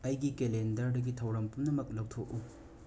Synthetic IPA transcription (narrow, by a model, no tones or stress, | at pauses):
ɐjɡikelendɐɾdɐɡitʰɐwɾɐmpumnɐmɐk̚lɐwtʰok̚ːu